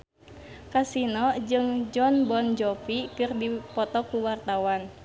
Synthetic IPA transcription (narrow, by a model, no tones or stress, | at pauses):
kasinɔd͡ʒɨŋd͡ʒɔnbɔnd͡ʒɔpikɨrdipɔt̪ɔkuwart̪awan